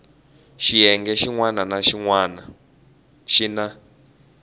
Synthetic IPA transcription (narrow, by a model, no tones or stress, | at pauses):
ʃijɛŋɡɛʃiŋwananaʃiŋwana | ʃina